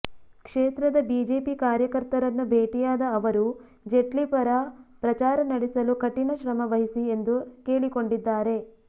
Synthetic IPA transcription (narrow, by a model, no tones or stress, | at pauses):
kʂeːt̪ɾɐd̪ɐbiːd͡ʒe̞ːpikaːɾjɐkɐɾt̪ɐɾɐnːubʱeːʈijaːd̪ɐːʋɐɾu | d͡ʒe̞ʈlipɐɾɐpɾɐt͡ʃaːɾɐnɐɽisɐlukɐʈːinɐʃɾɐmɐʋɐɦisie̞nd̪uke̞ːɭiko̞ɳɖid̪ːaːɾe̞